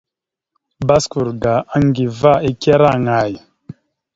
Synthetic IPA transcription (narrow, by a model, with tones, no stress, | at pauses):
ba˦sku˨ɾɡa˨a˦ŋ˦ɡi˨va˦i˦ke˦ɾa˦˨ŋa˨j